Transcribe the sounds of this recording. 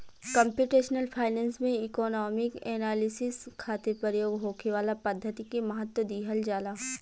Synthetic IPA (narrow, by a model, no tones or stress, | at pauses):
kɐ̃mpjuːʈeːʃnəlpʰaːɪnɛ̃ːnsmẽɪkɔːnɔːmɪkeːnaːlɪsɪskʰaːt̪ɪɾpəɾjoːɡɦoːkʰeʋaːlapɐd̪ʱːət̪ikimɐɦət̪wəd̪iːɦəld͡ʒaːlaːɦ